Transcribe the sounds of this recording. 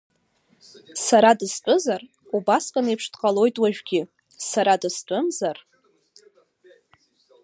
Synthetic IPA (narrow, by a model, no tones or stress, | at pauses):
saɾadɨst͡pʷʼʊzar | ubaskʼanejpʰʂdqʼalo̞jtʼwaʒᶣɡʲɪ | saɾadɨst͡pʷʼʊmzar